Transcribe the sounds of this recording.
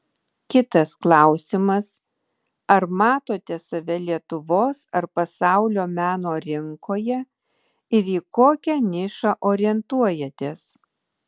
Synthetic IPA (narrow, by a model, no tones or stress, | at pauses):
kʲɪt̪ɐsklˠɑˑʊsʲɪmɐs | ɐɾmɑːt̪oːt̪ʲɛsɐʋʲɛlʲiɛt̪ʊʋoːsɐɾpɐsɑˑʊlʲoːmʲæːnoːɾʲɪŋkoːjɛ | ɪɾiːkoːkʲɛnʲɪʃɑʔoːɾʲɪɛnt̪uɔjɛt̪ʲeːs